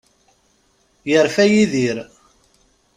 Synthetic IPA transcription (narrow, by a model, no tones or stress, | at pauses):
jəɾfæjiðiɾ